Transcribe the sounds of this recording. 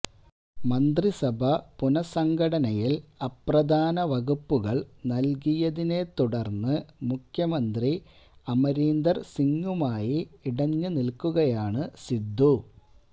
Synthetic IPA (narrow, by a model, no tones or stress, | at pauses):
mɐnd̪risɐbʱɐpunɐsɐŋɡɐɽɐnɐjilɐprɐd̪ʱaːnɐʋɐɣupːuɣɐɭnɐlkijɐðine̞t̪uɽɐrnːɨmukʰjɐmɐnd̪ri | ɐmɐɾiːnd̪ɐrsiŋːumaːjiːɽɐɲːɨnilkːuɣɐjaːɳɨsid̪ʱːu